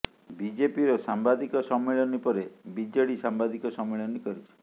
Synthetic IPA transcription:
bid͡ʒepiɾosambad̪ikɔsɔmːeɭɔnipɔɾebid͡ʒɔɽisambad̪ikɔsɔmːeɭɔnikɔɾit͡ʃʰi̥

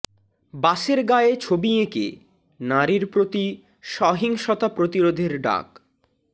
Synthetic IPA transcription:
baʃeɾɡaeet͡ɕʰobiekḛ | naɾiɾpɾot̪i | ʃɔɦiŋʃɔt̪apɾot̪iɾod̪ʱeɾɖa̰k

